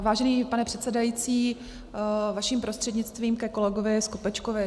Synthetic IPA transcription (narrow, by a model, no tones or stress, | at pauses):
vaːʒɛniːpanɛpr̥ɛt̪sɛdajiːt͡siː | vaʃiːmpɾost̪r̥ɛdɲɪt͡st̪viːmkɛko̞lɛɡovɪskopɛt͡ʃkovɪ